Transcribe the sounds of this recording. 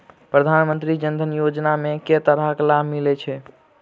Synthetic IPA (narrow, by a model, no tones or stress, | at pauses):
pɾəd̪ʱanmənt̪ɾid͡ʒənd̪ʱənjod͡ʒnameket̪əɾaklabʱmilɛt͡ʃʰɛ